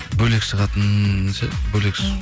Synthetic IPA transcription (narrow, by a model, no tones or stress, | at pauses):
bɵlekʃəʁɑt̪ənsḛbɵlekʃ